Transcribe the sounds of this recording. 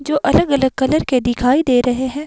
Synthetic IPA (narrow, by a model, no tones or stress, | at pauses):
d͡ʒoːʔɐləɡɐləɡ̚kɐləɾked̪ɪkʰaːid̪eːɾɐɦeɦɛ̃ː